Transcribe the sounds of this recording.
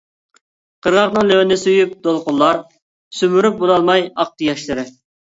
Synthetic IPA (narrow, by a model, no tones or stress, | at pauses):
qʰəɾʁɑχnɨŋløwɪnɪsyjyp̚d̪olˠqʊlˠlˠɑɾ | symyɾyp̚bonɑlˠmɑjɑq̚t̪ɨjɑʃlˠɨɾɨ